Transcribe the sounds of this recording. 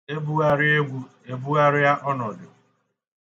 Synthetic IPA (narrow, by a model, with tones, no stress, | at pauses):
e˦bu˦a˦ɾɪ˦e˦ɡʷu˦ | e˦bu˦ɣa˦ɾɪ˦ja˦ʔɔ˦nɔ˨dʊ˨